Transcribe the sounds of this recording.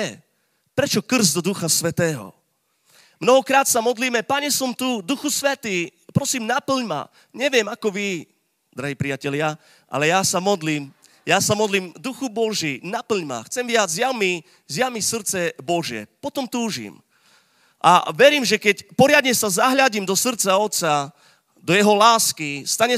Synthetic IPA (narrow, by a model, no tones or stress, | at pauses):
ɛ | pɾɛt͡ʃɔkr̩zd̪ɔd̪uxasʋɛt̪ɛːɦɔ̰ | mnɔɦɔkɾaːt̪samɔd̪liːmɛpaɲɛsɔmt̪ud̪uxusʋɛt̪iːpɾɔsiːmnapl̩ɲma̰ | ɲɛʋɪjɛmakɔʋi | d̪ɾaɦiːpɾijacɛlɪa | ʔa̰lɛjasamɔd̪liːm | jasamɔd̪liːmd̪uxubɔʒiːnapl̩ɲma̰xt͡sɛmʋɪad͡zzjami | zjamisr̩t̪t͡sɛbɔʒɪɛ̰pɔt̪ɔmt̪uːʒḭm | ʔa̰ʋɛɾiːmʒɛkɛcpɔɾɪad̪ɲɛsazaɦʎaɟiːmd̪ɔsr̩t̪t͡saɔt̪t͡sa | d̪ɔjɛɦɔlaːskist̪aɲɛ